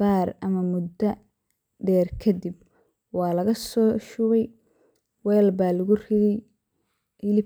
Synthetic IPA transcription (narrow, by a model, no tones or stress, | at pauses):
aːrɐmɐmʊd̪ɐ | ɖɛːrkʰɐd̪ib | wɑːlɐɣɐsɔːʃʊβɛj | wɛːlbaːlɐɣʊrɪðɛj | ɪlɪ